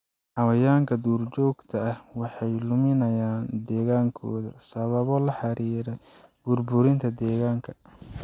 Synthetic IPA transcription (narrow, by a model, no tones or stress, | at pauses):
ħɑwɐjaːŋkʰɐd̪uːrt͡ʃɔːɡt̪ʰɐɐhwɑħɑjlʊmɪnɐjaːnd̪ɛːɣaːŋkʰɔ̰ːðɐsɐβɐβɔlɐħɑɾiːɾɛj | b̥ʊrbʊɾɪnt̪ʰɐd̪ɛːɣaːŋkʰɐ̥